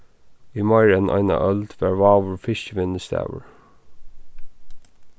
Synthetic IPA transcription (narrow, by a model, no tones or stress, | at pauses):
iːmɑɪɹənʔɑ̰ɪna̰ʔœld̪̥ʋæːɹʋɑːʋəɹfɪʃcəʋɪnəst̪æ̰ʋə̰ɹ